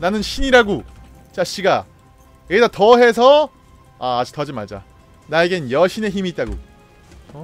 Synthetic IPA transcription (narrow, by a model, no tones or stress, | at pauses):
nanɯnɕʰiɲiɾaɡo | t͡ɕaɕ͈iɡa | etatʌɦe̞s̬ʰʌ | aːd͡ʑi̥tʰʌd͡ʑimaɭd͡ʑa̰ | naeɡeɯnjʌɕʰine̞çimiːt͈̚aɡo̰ | ʌ